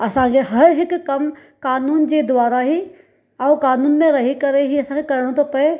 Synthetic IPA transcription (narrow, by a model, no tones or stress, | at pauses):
ɐsãːɡeɦɐɾɦɪkːɐm | kaːnuːnd͡ʒed̪ʊʋaːɾaɦi | awkaːnuːnmẽɾɐɦikɐɾeɦiɐsãːŋɡekɐɾəɽ̃õt̪opɐe